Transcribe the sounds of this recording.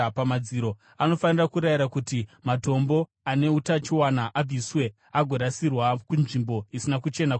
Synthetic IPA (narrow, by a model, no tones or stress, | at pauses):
pamad͡ziɾo̞ | ano̞fanirakuɾajiɾakutimato̞mbo̞ | ane̞utat͡ʃiwanaʔab͡vʱiswe̞ | aɡʱo̞ɾasirwakunʐimbo̞isinakut͡ʃe̞na